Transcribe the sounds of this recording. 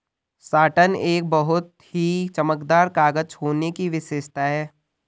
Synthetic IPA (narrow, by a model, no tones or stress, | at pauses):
saːʈəneːk̚bəɦʊt̪̚ | hit͡ʃəməkd̪aːɾkaːɡəd͡ʒhoːnekiʋɪʃeːʃt̪aɦɛː